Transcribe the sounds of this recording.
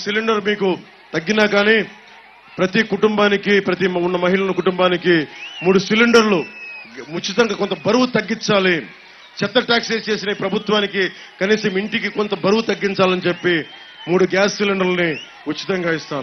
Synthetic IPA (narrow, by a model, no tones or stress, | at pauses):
siliɳɖɐɾmiːku | t̪ɐɡːinaːɡaːniː | pɾɐt̪ikuʈumbaːnikipɾɐt̪̬iunːɐmɐɦiɭɐnukuʈumbaːnikimuːɽusiliɳɖɐɾlu | ut͡ʃːit̪ɐŋɡaːkont̪ɐbɐɾuwut̪ɐɡːint͡ʃaːli | t͡ʃɛt̪ːɐʈaːkseːst͡ʃe̞ːsinɐpɾɐbʱut̪ʋaːniki | kɐniːsɐmiɳʈikikont̪ɐbɐɾuwut̪ɐɡːiɲt͡ʃaːlɐnit͡ʃe̞pːi | muːɽuɡaːsːiliɳɖɐɾlni | ut͡ʃːit̪ɐŋɡaːist̪aːɾu